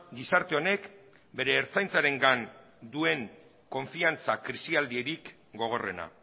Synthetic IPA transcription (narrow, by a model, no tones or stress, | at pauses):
ɡisaɾt̪e̞o̞ne̞k | be̞ɾe̞ːɾt͡sajnt͡saɾe̞ŋɡan | d̪ue̞ŋ | ko̞ɱfiant͡sakɾisiald̪ie̞ɾik | ɡo̞ɣ̞o̞re̞̰na̰